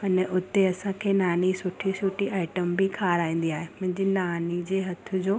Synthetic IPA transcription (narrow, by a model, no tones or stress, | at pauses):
ɐnəʔʊt̪eɐsãkʰeːnaːnisʊʈʰisʊʈʰiʔaːɪʈəmbikʰaːɾaːĩːn̆d̪iaːɦemʊ̃ɦɪ̃ɲd͡ʑinaːnid͡ʑeːɦɐt̪ʰʊ̆d͡ʑoː